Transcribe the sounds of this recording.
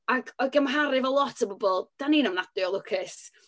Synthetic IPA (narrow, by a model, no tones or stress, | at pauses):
aɡɔɨɡəmɦaɾɪvɛlˠɔtʰəbɔbɔlˠd̥aniːnɔmnadɪɔlˠʊkʰɪs